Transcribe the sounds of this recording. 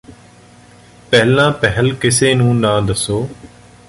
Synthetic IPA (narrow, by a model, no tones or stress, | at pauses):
pɛɦlãːpɛɦəlkɪseːnũːnãːd̪əsoː